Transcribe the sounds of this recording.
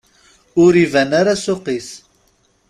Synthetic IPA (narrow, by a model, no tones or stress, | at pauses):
ʊɾivænaɾasoqis